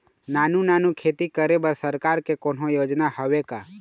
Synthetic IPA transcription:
naːnunaːnukʰeːt̪ikəɾebəɾsəɾkaːɾkekoːnɦõjoːd͡ʒnahəʋeka

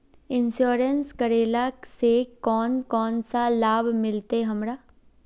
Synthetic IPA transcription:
ɪnsoːɾənskəɾeːlasekɔːnkɔːnsalaːbmɪlt̪eɦɐmɾaː

